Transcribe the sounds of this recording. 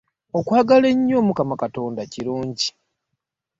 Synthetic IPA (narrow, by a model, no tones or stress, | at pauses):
o̞kwaːɡale̞ɲːo̞ːmukamakato̞ːndaciɾuːɲɟi